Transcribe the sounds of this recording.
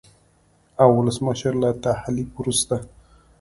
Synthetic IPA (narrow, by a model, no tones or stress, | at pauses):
awːʊləsməʃəɾlat̪ahlifwɾust̪a